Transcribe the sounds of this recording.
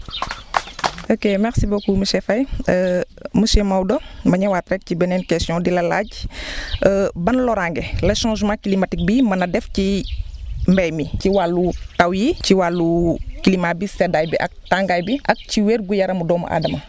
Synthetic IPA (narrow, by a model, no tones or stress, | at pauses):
ʔokemɛxsibokumuʃɛfɐjə | muʃɛmɐwdɔmɐɲɐwaːtrɛk̚cibɛnɛnkɛstjɔ̃dilɐla̰ːɟ | əbɐnlɔɾaŋɡɛlɐʃãːʒmãːkilimɐtik̚bimɐnɐdɛfci | mbɛjmiciwalːutɐwjiciwalːukilimabisɛdaːjbiʔɐk̚taːŋɡaːjbiʔɐk̚ciweːɾɡujɐɾɐmudɔːmɐ̰ʔa̰ːdɐmɐ